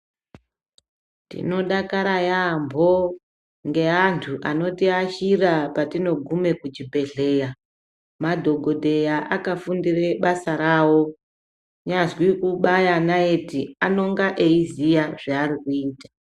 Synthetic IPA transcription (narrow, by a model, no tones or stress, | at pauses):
tḭno̞ɗakaɾajambʱo̞ | ŋɡe̞antʰuʔano̞tiaʃirapatino̞ɡʱume̞kud͡ʒibʱe̞ɮe̞ːja | madʱo̞ɡʱo̞dʱe̞jaʔakafundireɓasaɾaːwo̞ | ɲazwikuɓajanaetiano̞ŋɡaʔeizijaʐaːrikuiːtḁ